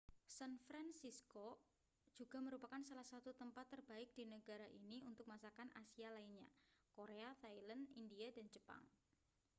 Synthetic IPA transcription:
sanfɾansisko | d͡ʒ̥uɡ̥a̤məɾupakansalahsat̪ut̪əmpat̪ːərbaɪk̚d̥inəɡaɾaʔiniunt̪ʊk̚masakana̰sialainɲa̰koɾeat̪ailandindiadand͡ʒəpa̰ŋ

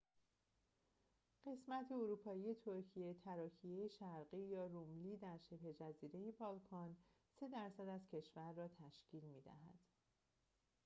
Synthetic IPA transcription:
ɢ̥e̞smæt̪ʰeoɾuːpʰɒːije̞t̪ʰoɾcʰije̞t̪ʰæɾɒːcʰije̞jeʃæɾɢiːjɒːrumliːd̪æɾʃe̞phe̞d͡ʒæziːɾe̞jebɒːlkʰɒn | se̞d̪æɾsæd̪æzcʰe̞ʃvæɾːɒːt̪ʰæʃcʰiːlmiːd̪æ̰ɦæ̰d̪̥

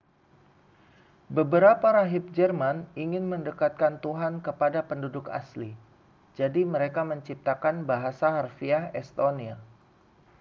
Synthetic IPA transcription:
bəbəɾapaɾaɦɪp̚d͡ʒərmaniŋɪnməndəkat̪̚kant̪uɦankəpadapəndudʊka̰sli | d͡ʒadiməɾekaməɲt͡ʃip̚t̪akanbaɦasaɦarfiahɛst̪onia

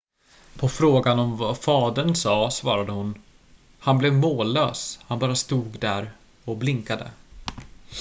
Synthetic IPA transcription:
pʰɔfɾoːɡanɔmvafɑːd̪əɳsɑːsvɑːɾad̪əhʊn | hanblɛvmoːlːøːshanbɑːɾast̪uːɡd̪æɾ | ɔblɪŋkad̪ə̰

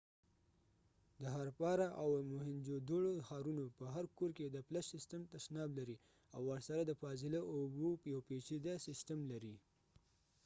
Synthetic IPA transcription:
d̪əɦaɾpɑɾaʔawmʊhɪnd͡ʒod̪oɽoxɑɾunopəɦaɾkoɾked̪əplaʃɪstəmt̪aʃnɑblaɾi | awːəɾsaɾad̪əfɑzɪlaʔobopəjawpet͡ʃid̪asɪstəmlaɾi

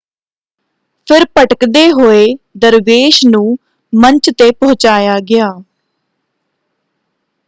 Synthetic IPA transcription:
pʰɪɾpəʈəkd̪eːɦoːeːd̪əɾʋeːʃnũː | məɲt͡ʃt̪eːpɔ̃ɦʊt͡ʃaːjaːɡɪjaː

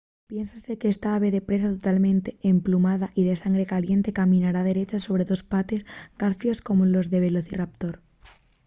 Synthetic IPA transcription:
pje̞nsase̞keest̪aaβe̞ðe̞pɾe̞sat̪ot̪almẽnt̪e̞emplumaðaʔiðe̞saŋɡɾe̞kalje̞nt̪e̞kamĩnaɾað̞e̞ɾe̞t͡ʃaso̞β̞ɾe̞ðo̞spat̪e̞sɡaɾθjo̞sko̞molo̞zðe̞β̞e̞loθirap̚t̪o̞ɾ

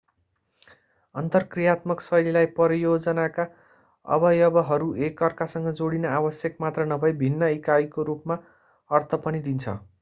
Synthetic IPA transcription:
ʌ̰nt̪ʌrkrijat̪mʌksʌjlilajpʌɾjod͡zʌnaka | ʌ̰bʌjʌbʌɦʌɾuekːʌrkasʌŋɡʌd͡zoɽinʌabʌsjʌkmat̪rʌnʌbʱʌjbʱinːʌikajkoɾupma | ʌrt̪ʰʌpʌnid̪int͡sʰʌ̰

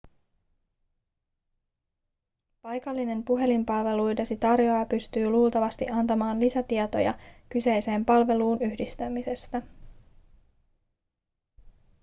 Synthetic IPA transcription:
pɑjkɑlːine̞mpuɦe̞limpɑlʋe̞lujdesit̪ɑrjo̞ɑpyst̪yːluːlt̪ɑʋɑst̪ḭʔɑnt̪ɑmɑːnlisæt̪iet̪o̞̰jɑ̰kyse̞jse̞ːmpɑlʋe̞luːnyhdist̪æmise̞st̪æ

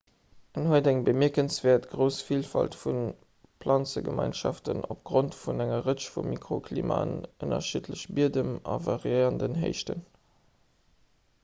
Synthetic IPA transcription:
ənhuədæŋbəmiɐkənsv̥eːɐtɡʁəʊsfiːlfɑltfun | pʰlɑnt͡səɡə̰mʔɑɪnʃɑftənop̚ɡ̥ʁontfunæŋɐʁəʃfumːikʁokʰlḭːma̰nənɐ̰ʃitʰləɕbiədəmɑvɑʁiəɪʁəndənɦḛɪʃtən

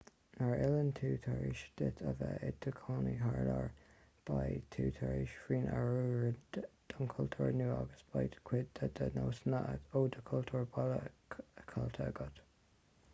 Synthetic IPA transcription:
naɹɪləntʰuːt̪ʰaɹiʃd̥̪ɪt̪ʰəvəɪdəkʰɑːniɦaɹlaɹ | b̥ajt̪ʰuːt̪ʰaɹiʃfɹiːnʔaɹuːɹd̪̥ɔŋkʰɔltʰəɹnuːaɡəsb̥ajdkʰwɪd̚əd̪ənoːsnəʔədoːdəkʰɔltʰəɹbaləkʰalt̪ʰəɡɔt̪

